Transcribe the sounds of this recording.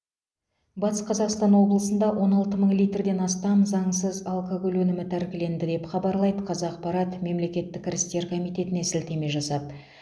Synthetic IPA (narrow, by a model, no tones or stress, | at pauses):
bɑt̪ə̥sqʰɑzɑqst̪ɑnwo̞blˠəsənd̪ɑwʔo̞nɑlˠt̪əməɴlˠijt̪rd̪e̞nɑst̪ɑmzɑɴsəzɑlˠkoɡo̞lwɵnɪmɪt̪ʰæɾkʲɪle̞nd̪ɪd̪e̞pχɑbɑɾlˠɑjd̪əqʰɑzɑq̚pɑɾɑt̪me̞mle̞kʲe̞t̪ːɪkʲʰːɪɾɪst̪e̞ɾkʰo̞mijt̪e̞t̪ɪne̞sɪlt̪e̞me̞ʒɑsɑp̪̚